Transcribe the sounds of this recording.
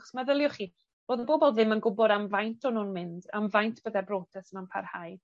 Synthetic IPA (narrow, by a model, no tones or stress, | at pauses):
χɔ̥smaðəlˠjɔχi | r̥oːðəboːbɔlˠðɪmənɡʊbɔdamvajntʰɔnuːnmɪnd̥a̰mvajntʰb̥əðɛbroːtʰɛsnanpʰa̰rhaj